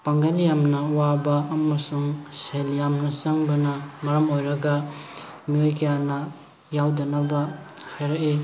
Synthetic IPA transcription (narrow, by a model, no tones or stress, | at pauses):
paŋɡaljamnɐwabɐːmɐsuŋseljamnɐsɐŋbɐnɐmɐɾɐmojɾɐɡɐ | miojkʰɐjanɐ | jawdɐnabɐhajɾɐʔi